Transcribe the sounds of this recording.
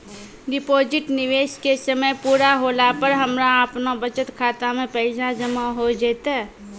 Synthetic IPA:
ɖɪpoːd͡ʒɪʈnɪʋeːʃkesəməjpuːɾaɦoːlapəɾɦəmɾaəpnabət͡ʃət̪kʰaːt̪amẽpɛɪsãd͡ʒəmaɦod͡ʒeːt̪ɛ

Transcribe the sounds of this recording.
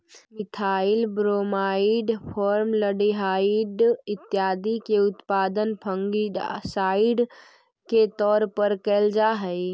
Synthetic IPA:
mɪt̪ʰaɪlbɾomaiɖpʰɔɾmləɖiɦaiɖɪt̪ːjaːd̪ikeʊt̪pad̪ənpʰəŋɡiɖ̰saɪɖ | ket̪ɔːɾpəɾkɛːld͡ʒaːɦəɪ

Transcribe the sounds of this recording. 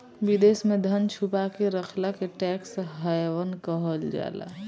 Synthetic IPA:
bid̪eːsmẽd̪ʱənt͡ʃʰupakeɾəkʰlakeʈɛːksɦəjʋənkəɦəld͡ʒa̰ːla̰

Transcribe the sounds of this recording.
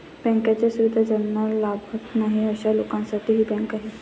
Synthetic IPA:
bɛ̃ŋkãt͡ɕasuʋɪd̪ʱad͡ʒənnalabʱəknaɦiəɕalokãnsat̪iɦibɛ̃ŋkaɦɛ

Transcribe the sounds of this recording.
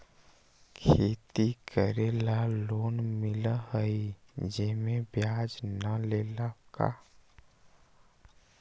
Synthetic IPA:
kʰeːt̪ikəɾelaloːnmɪlahəid͡ʒeːmẽbjaːd͡ʒnəleːlaka̰

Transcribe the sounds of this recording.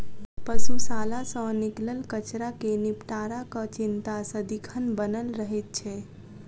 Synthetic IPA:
pəsusalasə̃nikləlkət͡ʃɾakenipʈaɾakət͡ʃint̪asəd̪ikʰənbənəlɾəɦɛt̪̚t͡ʃʰɛ

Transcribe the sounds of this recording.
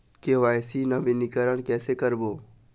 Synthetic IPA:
keʋaːjsinɐbɪnikəɾəɽ̃kɛːsekəɾboː

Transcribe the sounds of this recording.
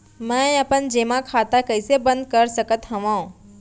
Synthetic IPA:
mɛ̃əpənd͡ʒeːmãkʰaːt̪akəɪsebə̃nd̪̚kəɾsəkət̪ɦɐʋãːõ

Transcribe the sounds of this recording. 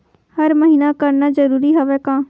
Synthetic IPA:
həɾməɦiːnakəɾnazəɾuːɾiɦoʋɛːkãː

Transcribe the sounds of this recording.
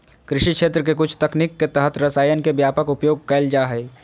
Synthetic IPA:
kɾɪʃikʃeːt̪ɾək̬ek̬ʊt͡ʃʰt̪ɐknikːet̪əɦət̪ɾɐsaːjənkebjaːpəkʊpjoːɡ̚kɐld͡ʒaːɦɛː

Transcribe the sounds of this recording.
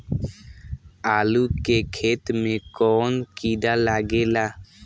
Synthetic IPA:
aːluːkekʰeːt̪mẽːkɔːnkiːd̪aːlaːɡeːlaː

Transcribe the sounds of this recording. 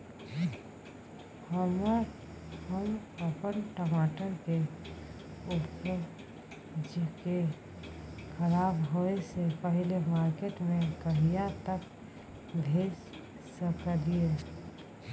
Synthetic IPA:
həmə | həməpənʈəmaːʈəɾke | ʊpə | d͡ʒke | kʰəɾaːbɦoesepəɦilemaːɾkeʈmẽkəɦijat̪ək | bʱeːd͡ʒ | səkəlie

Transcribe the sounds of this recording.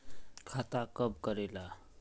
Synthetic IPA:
kʰat̪akʌb̚kʌɾela

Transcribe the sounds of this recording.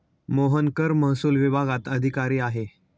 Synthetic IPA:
moɦənkəɾməɦsuːlʋibʱaɡat̪əd̪ʱikaɾiːaɦe

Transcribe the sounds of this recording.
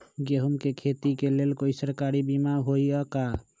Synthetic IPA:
ɡeɦumkekʰet̪ikelelkoisəɾkaɾibimaɦoiəka

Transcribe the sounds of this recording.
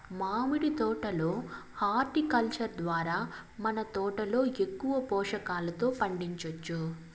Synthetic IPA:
maːmiɽit̪ɔːʈɐlo̞ːhaːɾʈikɐlt͡ʃɐɾd̪ʋaːɾaː | mɐnɐt̪ɔːʈɐlo̞ːe̞kːuʋɐpɔːʂɐkaːlɐt̪o̞ːpɐɳɖiɲt͡ʃɐt͡ʃːu

